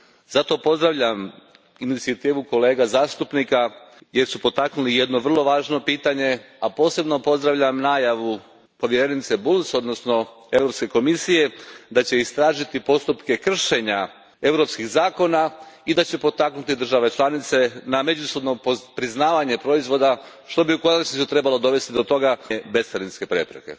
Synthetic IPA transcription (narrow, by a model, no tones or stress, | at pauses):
zat̪o̞po̞zd̪ɾaʋʎam | init̪siat̪iːʋuko̞le̞ːɡazaːst̪upnika | je̞ɾsupo̞t̪aknulije̞d̪no̞ʋr̩lˠo̞ʋaːʒno̞piːt̪aɲe̞ | apo̞ːse̞bno̞po̞zd̪ɾaʋʎamnaːjaʋu | po̞ʋjeɾe̞nit̪se̞bulso̞d̪no̞sno̞ | e̞ʋɾo̞pske̞ko̞misije̞d̪at͡ɕe̞ist̪ɾaːʒit̪ipo̞st̪upke̞kr̩ʃe̞ɲa | e̞ʋɾo̞pskiɣzaːko̞naid̪at͡ɕe̞po̞t̪aknut̪id̪r̩ʒaʋe̞t͡ʃlˠanit̪se̞name̞d͡ʑuso̞b̪no̞pɾiznaːʋaɲe̞pɾo̞izʋo̞d̪a | ʃt̪o̞biuko̞nat͡ʃnisut̪ɾe̞balˠo̞d̪o̞ʋe̞st̪id̪o̞t̪o̞ɡabe̞st̪aɾinske̞pɾe̞̰pɾḛke̞̰